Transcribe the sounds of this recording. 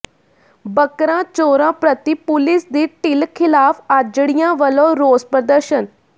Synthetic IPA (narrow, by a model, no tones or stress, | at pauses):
bəkɾãːt͡ʃoːɾãːpɾət̪iːpʊlɪsd̪iːʈɪlkʰɪlaːpʰad͡ʒɽɪjãːʋəlõːɾoːspɾəd̪əɾʃən